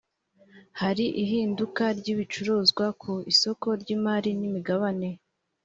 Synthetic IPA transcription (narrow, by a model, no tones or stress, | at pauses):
haɾiʔiɦiːndukaɾɟiβit͡ʃuɾuːzɡwakʰuiso̞ko̞ɾɟiːmaːɾinimiɡaβane̞